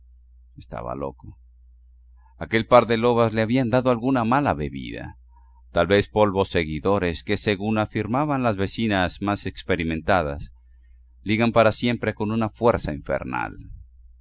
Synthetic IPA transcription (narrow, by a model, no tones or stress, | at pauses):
est̪a̰βa̰lo̞̰ko | ake̞lpaɾðe̞lo̞βazle̞aβiand̪aðo̞alɣunamalaβe̞βḭða̰ | t̪alβe̞spo̞lβo̞se̞ɣiðo̞ɾe̞ske̞se̞ɣunafiɾmaβanlazβe̞sinazmase̞kspe̞ɾimẽ̞nt̪aðas | liɣampaɾasje̞mpɾe̞ko̞nunafwe̞ɾsaiɱfe̞̰ɾna̰l